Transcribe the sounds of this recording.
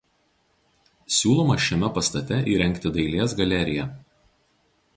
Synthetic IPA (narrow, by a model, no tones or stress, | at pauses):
sʲuːlˠɔmɐʃʲɛmʲɛpɐst̪ɐt̪ʲɛʔiːɾʲɛŋʲkʲt̪ʲɪd̪ɐɪlʲeːsɡɐlʲɛɾʲɪjɛˑ